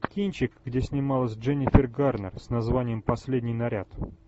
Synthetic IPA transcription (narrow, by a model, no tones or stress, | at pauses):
kʲinʲt͡ɕɪkɡdʲesʲnʲɪmalˠəsʲʐɛnʲɪfʲɪrɡarnərsnɐzvanʲɪjəmpɐsʲlʲedʲnʲɪjnɐɾʲat̪